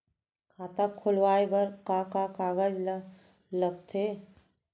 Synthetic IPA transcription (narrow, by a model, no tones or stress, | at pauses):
kʰaːt̪akʰʊlʋaːebəɾkakakaːɡəd͡ʒ | ləɡt̪ʰe